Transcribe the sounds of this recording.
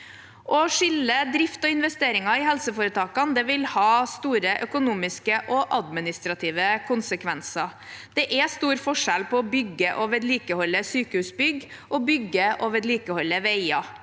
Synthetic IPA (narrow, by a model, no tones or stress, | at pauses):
ʔɔʂɪlːəd̪ɾɪft̪ɔɪnʋɛst̪eːɾɪŋɑɪhɛlsəfoːɾət̪ʰɑːkɑnd̪ɛʋɪlhɑːst̪uːɾəʔœkʊnuːmɪskəʔɔʔɑd̪mɪnɪst̪ɾɑt̪ʰiːʋəkʰʊnsəkʰʋɛnsɑ | d̪̥ɛʔɛst̪uːɾfɔʂɛlpʰɔːbʏɡːəʔɔʋɛt̪liːkəhɔlːəsyːkəhʉːsbʏɡ | ʔɔbʏɡːəʔɔʋɛt̪liːkəhɔlːəʋeɪɑ